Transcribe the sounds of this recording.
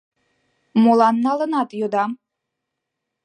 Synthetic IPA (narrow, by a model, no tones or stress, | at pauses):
molˠɑnːɑlɤ̆nɑt̪jod̪ɑm